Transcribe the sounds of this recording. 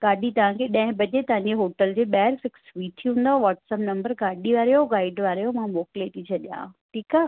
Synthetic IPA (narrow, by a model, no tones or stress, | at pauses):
ɡaːɗit̪ɐʋ̤ãkʰeɗɐ̃ɦɪ̃bɐd͡ʑet̪ɐʋ̤ãɲd͡ʑeɦoːʈəld͡ʑeːɓɛːɾfɪksʋiːt̪ʰiɦũːnd̪aʋaːʈsəpnɐ̃mbəɾɡaːɗiʋaːɾjoɡaːɪɖʋaːɾjomãmoːkɪleʈit͡ɕʰɐɗijã̰ːʈʰiːkaː